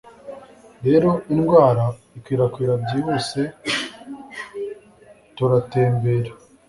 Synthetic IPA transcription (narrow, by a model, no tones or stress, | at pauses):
ɾe̞ːɾo̞inɡwaːɾa | ikwiːɾakwiːɾabɟiːho̞ːse̞ | toɾate̞ːmbeːɾa